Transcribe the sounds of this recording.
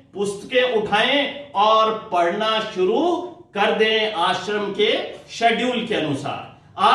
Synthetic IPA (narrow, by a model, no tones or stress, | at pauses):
pʊst̪kẽʔʊʈʰaːẽɔːɾpɐɾnaʃʊɾukɐɾd̪eẽʔaːʃɾəmkeʃɐɖjuːlkeɐnʊsa̰ːɾ | aː